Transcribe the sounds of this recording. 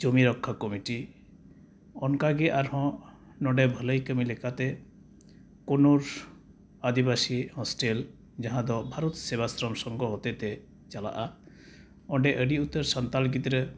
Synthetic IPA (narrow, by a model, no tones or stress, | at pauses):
d͡ʒomiɾɔkʰːakɔmiʈi | ɔnkaɡeʔaɾɦɔ̃ | nɔɖebʱələjkəmilekat̪e | konoɾ | ad̪ibasihɔsʈel | d͡ʒaɦãd̪ɔbʱaɾɔt̪seβasɾɔmsɔŋɡɔɦot̪et̪e | t͡ʃala̰ʔa | ɔɖeʔəɖiut̪ːɔɾsɔnt̪alɡit̪ɾe